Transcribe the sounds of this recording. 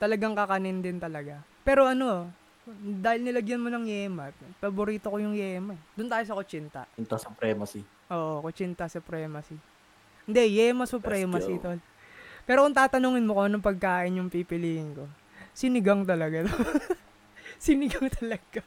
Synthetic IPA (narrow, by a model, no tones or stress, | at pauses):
t̪ɐlɐɡaŋkɐkɐnɪnd̪ɪnt̪ɐlɐɡapɛːɾo̞ʔɐno̞ | d̪aːhɪlnɪlɐɡjɐnmonɐŋjɛːmɐpɐboɾiːt̪o̞kojʊŋjɛːmɐɛd̪ʊnt̪aːjo̞s̬ɐkot͡ʃint̪ɐ̰nt̪asʊpɾɛːmɐsi | ʔoːʔokot͡ʃint̪ɐsɐpɾɛːmɐsi | nd̪ɛjɛmɐsʊpɾɛːmɐsit̪ol | pɛːɾokʊŋt̪aːt̪ɐnuːŋɪnmokoʔɐnoŋpɐɡ̚kaːʔɪnjʊŋpipɪliːhɪŋko̞ | sɪnɪɡaŋt̪ɐlɐɡat̪o | sɪnɪɡɐŋt̪ɐlɐɡ̥a